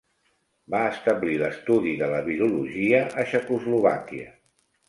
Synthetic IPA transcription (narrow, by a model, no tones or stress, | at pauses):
baəst̪əbliləst̪uðiðələβiɾuluʒiəʔəʃəkuzluβakiə